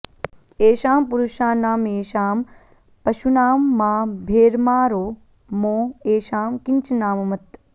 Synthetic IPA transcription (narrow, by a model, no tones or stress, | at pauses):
eːʃaːmpuɾuʃaːnaːmeːʃaːm | pɐʃunaːmːaːbʱeːɾmaːɾoː | mõːeːʃaːmkiɲt͡ʃnaːmɐmɐt̪